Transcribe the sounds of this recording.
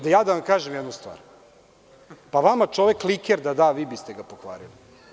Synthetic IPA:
d̪ajaːd̪aʋamkaːʒemjɛd̪nust̪ʋa̰ːɾ | paʋamat͡ʃo̞ʋeklˠikeɾd̪ad̪aʋiːbist̪eɡapoxʋa̰ːlili

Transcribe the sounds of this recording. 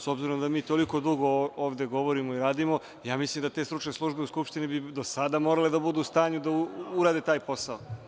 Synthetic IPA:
sobziɾo̞md̪amiːt̪o̞liko̞d̪uɡo̞oːʋd̪e̞ɡo̞ʋo̞ɾimoiɾaːd̪imo̞ | jaːmislimd̪at̪e̞ːst̪ɾut͡ʃneslˠuʒbeuskupʃt̪inibid̪osad̪amo̞ːɾale̞d̪abud̪uːst̪aːɲud̪auuɾaːd̪e̞t̪aːjpo̞sao

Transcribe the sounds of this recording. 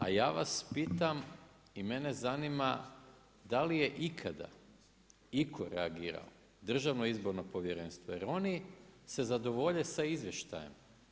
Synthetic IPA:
a̰jaːʋaspit̪am | ime̞ne̞zanima | d̪alije̞ʔikʰad̪a̰ | ikʰo̞ɾeaɡiːɾa̰o | d̪r̩ʒaʋnoizbo̞ɾno̞po̞ʋjeɾeːnst̪ʋoje̞ɾo̞nise̞zad̪o̞ʋo̞ʎesaizʋʲjeʃt̪a̰jem

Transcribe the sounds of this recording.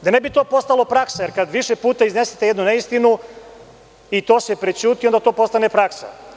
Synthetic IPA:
d̪anebit̪o̞ːpo̞st̪alo̞pɾaksaje̞ɾkad̪ʋiʃepuːt̪aizneset̪ejed̪nune̞ist̪inu | it̪o̞ːse̞pɾet͡ɕuːt̪iond̪at̪o̞ːpo̞st̪ane̞pɾaksa̰

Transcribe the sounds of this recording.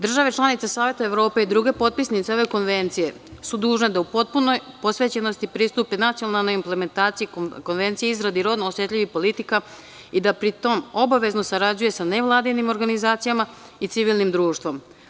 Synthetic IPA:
d̪r̩ʒaʋet͡ʃlanit̪sasaːʋe̞t̪aeʋɾo̞ːpe̞id̪ɾuɡe̞po̞t̪̚pisnit̪seo̞ʋe̞ko̞nʋe̞nt̪sije̞ | sud̪uːʒne̞d̪aupo̞t̪̚punojpo̞sʋe̞t͡ɕe̞nost̪ipɾiːst̪upenat̪sionalˠno̞jimple̞me̞nt̪aːt̪siiko̞nʋent̪sijeizɾad̪iɾo̞ːd̪noosje̞t̪lʎʲiʋixpo̞lit̪ika | id̪apɾit̪o̞mo̞baʋe̞zno̞saɾad͡ʑuje̞sane̞ʋlˠaːd̪inimo̞ɾɡanizaːt̪sijama | it̪siʋilˠnimd̪ɾuːʃt̪ʋo̞m

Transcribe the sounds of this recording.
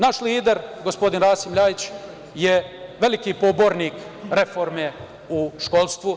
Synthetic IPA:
naʃliːd̪eɾɡospo̞d̪inɾaːsimʎaːjit͡ɕ | jeʋe̞likiːpoboɾniːk | ɾe̞fo̞ɾme | uʃkolˠst̪ʋu

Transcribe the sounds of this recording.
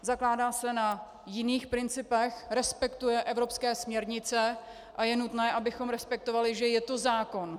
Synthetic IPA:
zaklaːdaːsɛna | jɪniːxpɾɪnt͡sɪpɛxɾɛspɛkt̪ujɛʔɛvɾo̞pskɛːsmɲɛɾɲɪt͡sɛ | ʔajɛnut̪nɛːʔabɪxo̞mɾɛspɛk̚t̪o̞valɪʒɛjɛt̪o̞zaːko̞n

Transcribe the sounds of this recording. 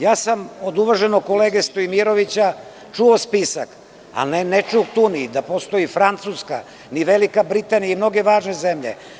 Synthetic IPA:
jaːsamo̞d̪uʋaʒenokoleɡest̪oimiɾo̞ʋit͡ɕa | t͡ʂuospisa̰k | a̰lnenet͡ʂukt̪unid̪apost̪o̞jifɾant̪suska̰ | niʋelikabɾit̪aːnijaimno̞ɡe̞ʋaːʒne̞zemʎḛ

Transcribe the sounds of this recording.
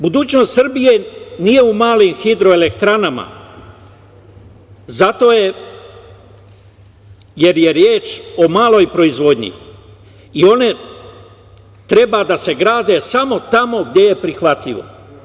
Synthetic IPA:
bud̪uːt͡ʃno̞st̪sɨrbije̞nije̞umaːlimxid̪ɾo̞ele̞kt̪ɾanama̰ | zat̪o̞ːje | je̞ɾje̞ɾjeːt͡ʃo̞maːlo̞jpɾo̞izʋo̞d̪ɲḭ | io̞ne̞ | t̪ɾe̞baːd̪ase̞ɡɾaːd̪e̞samo̞t̪amo̞ɡ̚d̪ʲe̞je̞pɾixʋat̪ʎʲiʋo̞̰

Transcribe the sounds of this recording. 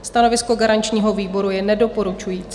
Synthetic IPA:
st̪ano̞vɪsko̞ɡaɾant͡ʃɲiːɦo̞viːbo̞ɾujɛnɛdo̞po̞ɾut͡ʃujiːt͡s

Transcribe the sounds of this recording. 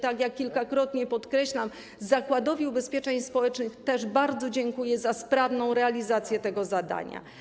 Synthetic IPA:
t̪akjakʲːilkakɾɔt̪ɲɛpɔt̪kɾɛɕlam | zakwad̪ɔvʲiubɛspʲjɛt͡ʂɛɲspɔwɛt͡ʂnɘxt̪ɛʐbaɾd̪zɔd͡ʑɛŋkujɛzaspɾavnɔ̃w̃ɾɛalʲizat̪sʲjɛt̪ɛɡɔzad̪a̰ɲa̰

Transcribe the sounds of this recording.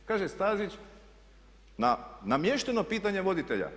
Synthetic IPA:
kaːʒest̪aːzit͡ɕ | nanamjeʃt̪enopiːt̪aɲeʋo̞d̪it̪eʎa̰

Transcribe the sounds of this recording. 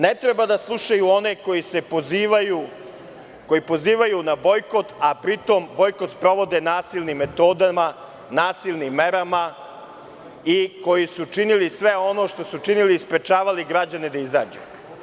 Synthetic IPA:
ne̞t̪ɾebad̪aslˠuʃajuo̞ne̞kojise̞poziːʋaju | ko̞jipo̞ziːʋajunabo̞jko̞t̪apɾit̪o̞mbo̞jko̞t̪spɾo̞ʋo̞d̪enaːsilʲnimːe̞t̪o̞ːd̪ama | naːsilˠnimːe̞ɾama | iko̞jisut͡ʂinilisʋeo̞no̞ːʃt̪o̞sut͡ʃiniliːspɾe̞t͡ʃaːʋaliɡɾad͡ʑane̞d̪aiza̰ːd͡ʑṵ

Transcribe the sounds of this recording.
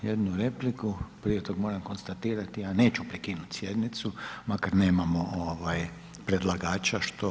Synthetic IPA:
jed̪nuɾe̞plikupɾiet̪oɡmo̞ɾamko̞nst̪at̪iːɾat̪ijane̞ːt͡ʃupɾikiːnut̪ʲsjed̪nit̪sumakaɾne̞ːmamoʔoʋaj | pɾed̪lˠaɡaːt͡ʃaʃt̪o

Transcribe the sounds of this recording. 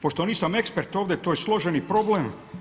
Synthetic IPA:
poʃt̪o̞niːsame̞kspeɾt̪oːʋd̪ʲet̪oːjeslˠo̞ʒenipɾo̞blem

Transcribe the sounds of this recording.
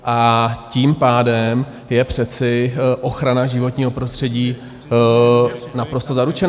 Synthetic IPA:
ʔaciːmpaːdɛm | jɛpr̝̥ɛt͡sɪʔo̞xɾanaʒɪvot̪ɲiːɦo̞pɾo̞st̪r̝̥ɛɟiː | napɾo̞st̪o̞zaɾut͡ʃɛn

